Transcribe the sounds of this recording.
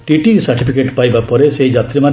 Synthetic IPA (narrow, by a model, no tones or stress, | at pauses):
ʈiʈisaɾʈipʰikeʈpajbapɔɾeseid͡ʒat̪ɾiman